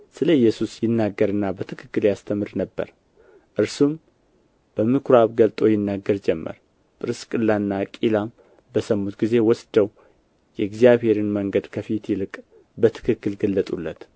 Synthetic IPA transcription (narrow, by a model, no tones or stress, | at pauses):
sɨləjːɛsusjɪnːaɡːəɾɨnːabət̪ʰɨkʰɨ̥kːɨljast̪ʰəmɨɾnəbːə̰ɾ | ʔɨɾsum | b̥əmɨkʰɾaβɡəlt̪ʼo̞jɪnːaɡːəɾd͡ʒɛmːə̰ɾ | pʼɨɾɨskʼɨlːanːakʼilam | bəsəmːut̪ɡize̞wɔsd̪əw | jɛɛɡzijaβhe̞ɾɨnməŋɡəd̪kʰəfit̪jɪlɨkʼ | bət̪ʰɨ̥kʰɨkːɨlɡəlːət̪ʼulːət̪